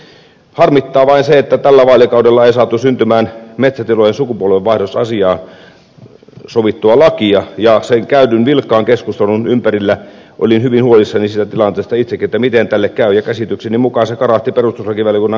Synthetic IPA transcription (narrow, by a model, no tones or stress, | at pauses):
hɑrmit̪ːɑːʋɑinseet̪ːæt̪ælːæʋɑːlʲikɑˑudelːɑeisɑːt̪ːusynt̪ymæːnmet̪sæt̪ilojensukupuolʋeʋʋɑˑihdosɑsiɑːn | soʋit̪ːuɑlɑkiɑjɑseŋkæynynʋilkːˑɑːŋkeskust̪elouunympærilːæ | ʔo̰linhyʋinhuolisːɑnisiːt̪æt̪ilɑnt̪eːst̪ɑit̪sekːiet̪ːæmit̪ent̪ælːekkæˑyjɑkæsit̪yksenimukɑsekɑrɑht̪iperust̪uslɑkiʋæljekunːɑ